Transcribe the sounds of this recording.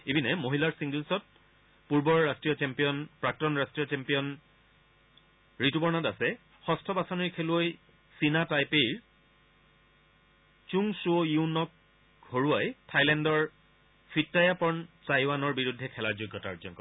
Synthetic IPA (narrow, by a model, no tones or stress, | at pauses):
ebinɛmoɦilaɹsiŋɡelsɔt̚ | puɹbɔɹːastɹijɔt͡ɕɛmpijɔnpɹak̚tɔnɹastɹijɔt͡ʃɛmpijɔn | ɹitubɔɹnatasɛ | xɔstʰɔbasɔniɹkʰeloj | sinatajpejɹ | t͡ʃuŋsojunɔk̚ | hoɹuajtʰajlɛndɔɹ | fʰitːajapɔɹntajwanɔɹbiɹudʱːɛkʰɛlaɹzojɡʱːɔta̰ɹɔzɔnkɔɹ